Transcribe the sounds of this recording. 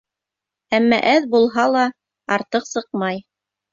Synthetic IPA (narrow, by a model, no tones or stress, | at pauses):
æmːæ̰ʔæðbulˠɦɑlˠɑ | ɑɾt̪ɤqsɤq̚mɑj